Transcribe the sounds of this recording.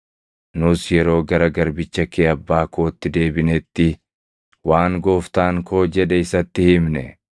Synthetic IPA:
nʊsjɛɾo̞ːɡɐɾɐɡɐɾbɪt͡ʃːɐkeːɐbːaːkoːt̪ːɪd̪e̞ːbɪnɛt̪ːɪ | waːŋɡoːft̪aːŋkʰo̞ːd͡ʒɛᶑɛɪsɐt̪ːɪhɪmnɛ̰

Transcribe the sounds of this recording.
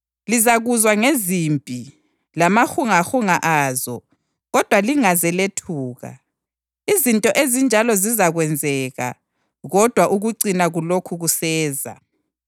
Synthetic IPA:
lizaɣuzwaŋezimpʼi | lamaxuŋaxuŋaʔazɔ̰ | ɣɔd̥ʱwaliŋazɛletʰuːɣa̰ | izintʼɔʔezind͡ʒʱalɔzizaɣwɛnd͡zʱɛɣa̰ | ɣɔd̥ʱwaʔuɣuǀinaɣulokʰuɣusɛːza̰

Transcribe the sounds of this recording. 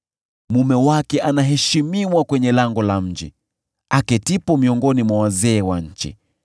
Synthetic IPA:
mumɛwakɛʔanaɦɛʃimiwakwɛɲɛlaŋɡɔlam̩d͡ʒḭ | akɛtipɔmiɔŋɡɔnimwawazɛːwaɲ̩t͡ʃḭ

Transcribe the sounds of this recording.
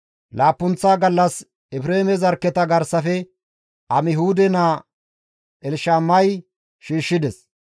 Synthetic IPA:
laːpːʊnt͡sːaːɡɐlːɐs | ɛpɾeːmɛzɐɾkːɛt̪ɐɡɐɾsɐfɛ | ɐmɪhuːd̪ɛnaː | ʔɛlʃaːmːɐj | ʃiːʃːɪd̪ɛs

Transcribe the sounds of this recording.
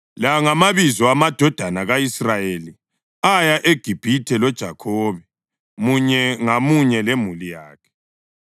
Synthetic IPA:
laŋamaβizɔamad̥ʱɔd̥ʱanaɣaisrajeli | ajaʔeɡ̥ʱib̥ʱitʰɛlɔd̥ʒ̥ʱa̰kʰɔːβɛ | muɲɛŋamuɲɛlemulija̰ːkʰɛ̥

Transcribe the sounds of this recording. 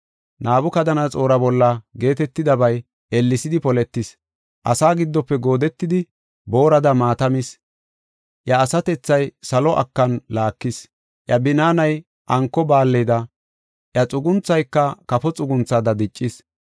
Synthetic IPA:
naːbʊkɐd̪ɐnɐt͡sʼo̞ːɾɐbɔlːɐɡe̞ːt̪ɛt̪ːɪd̪ɐbɐj | ɛlːɪsɪd̪ɪpɔlɛt̪ːɪs | ʔɐ̰saːɡɪd̪ːɔpːɛɡo̞ːd̪ɛt̪ːɪd̪ɪ | bo̞ːɾɐd̪ɐmaːt̪ɐmɪs | ʔjɐːsɐt̪ɛt͡sːɐjsɐlɔʔɐ̰kːɐnlaːkːɪs | ʔjɐbɪnaːnɐj | ʔɐŋkːɔbaːlːɛd̪ɐ | ʔjɐt͡sʼʊɡʊnt͡sːɐjkːɐkɐfɔt͡sʼʊɡʊnt͡sːaːd̪ɐd̪ɪt͡ʃʼːɪs

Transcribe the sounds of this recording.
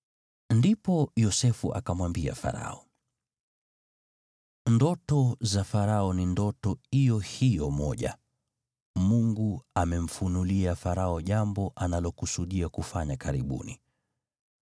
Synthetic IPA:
ndipɔjɔsɛfṵʔa̰kamwambia̰fa̰ɾa̰ɔ | ndɔtɔzafaɾaɔnindɔtɔijɔhijɔmɔʄa̰ | muŋɡuamɛm̩funuliafaɾaɔʄambɔʔanalɔkusuɗiakufaɲakaɾiɓṵnḭ

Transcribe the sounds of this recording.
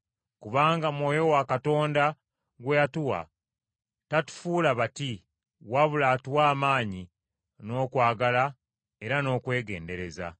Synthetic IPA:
kuβaːŋɡamwo̞ːjo̞wakato̞ːnda | ɡweatuwa̰ | tatu̥fuːlaβati | waβulaːtiwaːmaːɲi | no̞ːkwaːɡala | e̞ɾano̞ːkwe̞ːɡe̞̰ːnde̞ɾe̞za̰

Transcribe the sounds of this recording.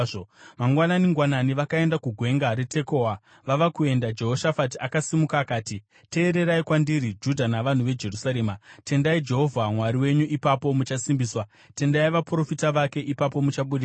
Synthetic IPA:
omaŋɡwananiŋɡwananiʋakae̞ndakuɡʱwe̞ŋɡaɾe̞te̞ko̞a | ʋaʋakue̞ndad͡ʒe̞ɦoʃafatiakasimukaːkaːti | te̞ːɾe̞ɾaikwandiɾid͡ʒudʱanaʋan̤uʋe̞d͡ʒe̞rusaɾe̞ːmate̞ndaid͡ʒe̞ɦo̞vʱamwaɾiwe̞ɲuʔipapo̞mut͡ʃasimbiːswa | te̞ndaiʋapuro̞fitaʋake̞ʔipap̬o̞mut͡ʃaɓuɗi

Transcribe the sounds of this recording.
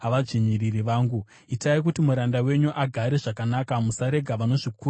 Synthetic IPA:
ɦaʋad͡ʐiɲiririʋaːŋɡu | itaik̬utimuɾandawe̞ɲuʔaɡʱaɾe̞ʐakanakamusaɾe̞ɡʱaʋano̞ʐiku

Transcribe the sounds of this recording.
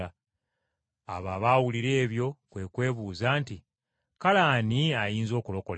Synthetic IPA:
a | a̰βaβaːwuliɾe̞ːβjo̞kwe̞kwe̞ːβuːzaːnti | kalaːniajiːnzo̞ːkulo̞kol

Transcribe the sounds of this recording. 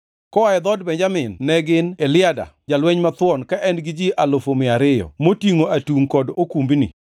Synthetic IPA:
kɔaɛd̪ɔdbɛɲd͡ʒamɪnːɛɡɪnɛlɪada̰d͡ʒalwɛɲmat̪wɔnkaʔɛnɡɪd͡ʒiʔalofomɪaɾɪjɔ̰motiŋoʔatuŋkɔdokumbinɪ̰

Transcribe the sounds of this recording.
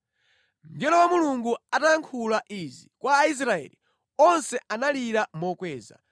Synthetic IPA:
n̩dɛlɔwamuluŋɡuataŋkʰulaʔizikwaːis̬ɾaɛ̰li | ɔnsɛʔanaliɾamɔkwɛːza̰

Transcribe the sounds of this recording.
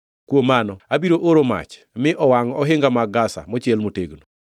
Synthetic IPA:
kwomanɔabiɾoʔoɾoma̰t͡ʃ | mɪʔɔwaŋɔɦɪŋɡamaɡasa̰mɔt͡ʃɪɛlmoteɡno

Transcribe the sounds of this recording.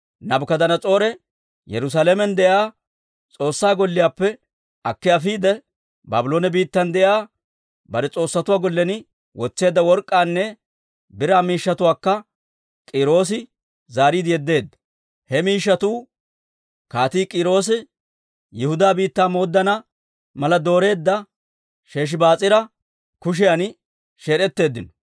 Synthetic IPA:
nɐbkɐd̪ɐnɐt͡sʼo̞ːɾɛ | jɛ̰ɾʊs̬aːlɛmɛnd̪ɛjaː | t͡sʼo̞ːsːaːɡɔlːɪjaːpːɛ | ʔɐkːɪjafiːd̪ɛ | ba̰ːbɪlo̞ːnɛbiːt̪ːɐnd̪ɛʔjaː | bɐd̪ɛt͡sʼo̞ːsːɐt̪ʊwaːɡɔlːɛnɪ | wɔt͡sːe̞ːd̪ːɐwɔɾkʼːaːnːɛ | bɪɾaːmiːʃːɐt̪ʊwaːkːɐ | kʼɪɾo̞ːs̬ɪ | zaːɾiːd̪ɪjɛd̪ːe̞ːd̪ːɐ̥ | hɛmiːʃːɐt̪uː | kaːt̪iːkʼɪɾo̞ːs̬ɪ | jɪhʊd̪aːbiːt̪ːaːmo̞ːd̪ːɐnɐ | mɐlɐd̪o̞ːɾe̞ːd̪ːɐ | ʃe̞ːʃ̬ɪbaːt͡sʼɪɾɐ | kʊʃ̬ɪjan | ʃeːɾɛt̪ːe̞ːd̪ːɪnɔ̥

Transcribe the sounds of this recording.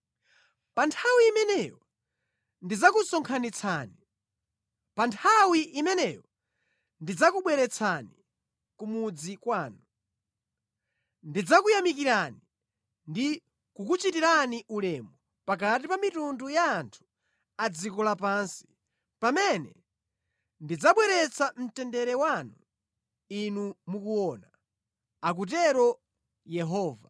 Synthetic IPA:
pantʰawiːmɛnɛjɔ | ndid͡zakusɔŋkʰanit͡sʰaːni | pantʰawiʔimɛnɛjɔ | ndid͡zakuɓwɛɾɛt͡sʰani | kumud͡zikwaːnu | ndid͡zakujamik̬iɾani | ndi | kukut͡ʃitiɾaniʔulɛːmɔ | pakat̬ipamitundujaːntʰu̥ | ad͡zikɔlapansi̥ | pamɛnɛ | ndid͡zaɓwɛɾɛt͡sʰam̩tɛndɛɾɛwanu | inumukuwɔːna | ak̬ut̬ɛɾɔ | jɛɦɔːva

